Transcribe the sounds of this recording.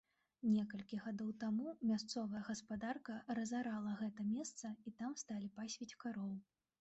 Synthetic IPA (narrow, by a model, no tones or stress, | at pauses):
nʲɛkɐlʲkʲiɣad̪ɔwt̪amumʲast̪sɔvɐjɐɣɐspad̪arkɐɾɐzaɾalˠɐɣɛt̪ɐmʲɛst̪sɐit̪amst̪alʲipasʲvʲɛt͡sʲkaɾɔlˠ